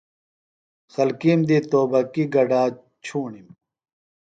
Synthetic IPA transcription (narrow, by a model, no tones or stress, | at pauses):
xɐlkiːmd̪it̪oːbɐkiɡɐɖaː | t͡ɕʰuːɳim